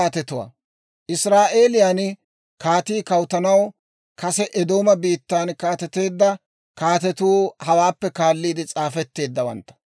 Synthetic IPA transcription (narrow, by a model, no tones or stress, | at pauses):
aːt̪ɛt̪ʊwɐ̰ | ʔɪsɾaːʔeːlɪjaːn | kaːt̪iːkɐwt̪ɐnɐw | kɐsɛʔɛd̪o̞ːmɐbiːt̪ːaːnkaːt̪ɛt̪e̞ːd̪ːɐ | kaːt̪ɛt̪uːhɐwaːpːɛkaːlːiːd̪ɪt͡sʼaːfɛt̪ːe̞ːd̪ːɐwɐ̰nt̪ːɐ̥